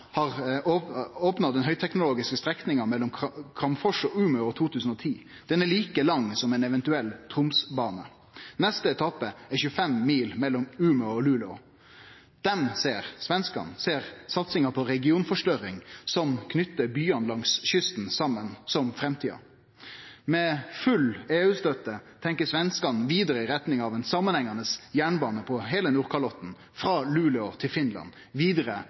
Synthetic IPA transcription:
hɑʁ | oːpnɑd̪ɛnhœʏt̪ʰɛknʊloːɡɪskəst̪ɾɛknɪŋɑmɛlːɔmkʰɾɑmfɔʂɔʉːmʉɔt̪ʰuːt̪ʰʉːsən̩ɔːt̪ʰiː | d̪̥ɛnɛɭiːkəlɑŋːsɔmɛnɛʋɛnt̪ʉɛlt̪ʰʁʊmsbɑːnə | nɛst̪əɛt̪ʰɑpːəɛçʉəfɛmːiːlmɛlːɔmʉːmʉɔlʉːlɔ̰ | d̪̥ɛnseːʁsʋɛnskɑ̰nseːʁsɑt̪sɪŋəpʰɔɾɛɡɪuːnfɔʂʈœɾɪŋsɔmkʰnʏt̪ːəbyːɑnlɑŋsɕʏst̪n̩sɑmːənsɔmfɾɛmt̪ʰiːɑ̰ | mɛːfʉleːʉːst̪œt̪ːət̪ʰɛŋkəsʋɛnskɑnʋiːd̪əɾəɪɾɛt̪nɪŋɑʋɛnsɑmːənhɛŋɑnəsjæːɳbɑːnəpʰɔɦeːlənuːʁkʰɑlɔt̪n̩ | fɾɑːlʉːləɔt̪ʰɪlfɪnlɑ̰n | ʋiːd̪əɾə

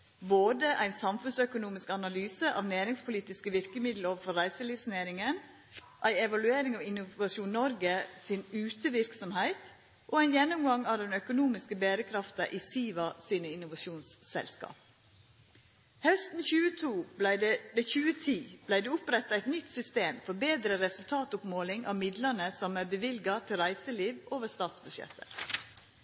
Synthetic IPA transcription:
boːd̪əʔæɪnsɑmfʉnsœkʊnuːmɪskɑnɑlyːsəʔɑ̰ːʋnæːɾɪŋspʰʊliːt̪ɪskəʋɪɾkəmɪd̪l̩oːʋəɾfɔɾːæɪsəliːʋsneːɾɪŋən | ʔæɪɛʋɑlʉeːɾɪŋɑːʋɪnʊʋɑʃuːnnɔɾɡəsɪnʉːt̪əʋɪɾksɔmhæɪt̪ | ʔoæɪnjɛnːʊmɡɑŋɑːʋd̪ɛnœkʊnuːmɪskəbeːɾəkʰɾɑft̪ɑ̰ʔiːsiːʋɑsiːnəɪnʊʋɑʃuːnssɛ̰lskɑ̰ːp̚ | hœst̪n̩çʉːət̪ʰuːblæɪd̪ɛd̪ɛçʉːət̪ʰiːb̥læɪd̪eːʊpɾɛt̪ːɑæɪt̪nʏt̪sʏst̪eːmfɔɾbeːd̪ɾəɾɛsʉlt̪ʰɑːt̪ʊpmoːlɪŋʔɑ̰ːʋmɪd̪lənəsɔmæɾbəʋɪlɡɑt̪ʰɪlɾæɪsəliːʋʔoːʋəɾst̪ɑːt̪sbʉʃjɛ̰t̪ʰːə̰

